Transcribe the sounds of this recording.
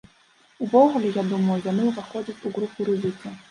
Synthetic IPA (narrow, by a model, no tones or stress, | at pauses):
uvɔɣulʲɛjad̪umɐjujanɨuvaxɔd͡zʲɐt͡sʲuɣɾupuɾɨzɨk̪ɐ